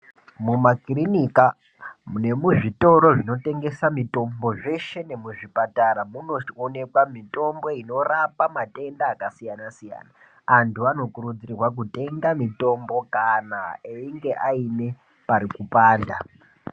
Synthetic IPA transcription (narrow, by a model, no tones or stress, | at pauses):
mumakrinika | ne̞muʐito̞ɾo̞ʐino̞te̞ŋɡe̞samito̞mbo̞ʐe̞ʃe̞ne̞muʐipataɾamuno̞one̞kwamito̞mbo̞ino̞rapamate̞ndaːkasijanasija̰ːnaː | ntuano̞kurud͡zirirwak̬ute̞ŋɡamito̞mbo̞kanaeiŋɡe̞ʔaine̞ | paɾikupaːnda